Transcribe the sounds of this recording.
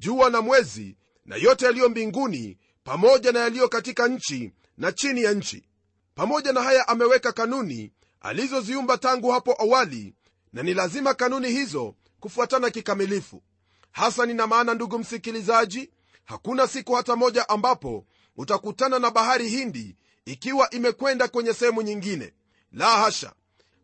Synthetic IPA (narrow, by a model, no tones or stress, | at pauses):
ʄuanamwɛzḭ | na̰jɔtɛalijɔmbiŋɡunḭ | pamɔʄanajalijɔkatikaɲ̩t͡ʃi | nat͡ʃinijaɲ̩t͡ʃḭ | pamɔʄanahajaʔamɛwɛkakanunḭ | a̰lizɔziumbataŋɡuhapɔʔawalḭ | nanilazimakanunihizɔ | kufuatanakikamilifṵ | hasaninamaːnanduɡum̩sikilizaʄi | hakunasikuhatamɔʄaʔambapɔ̰ | utakutananaɓaɦaɾihindiː | kiwaʔimɛkwɛndakwɛɲɛsɛhɛmuɲiŋɡinɛ̰ | lahaʃa̰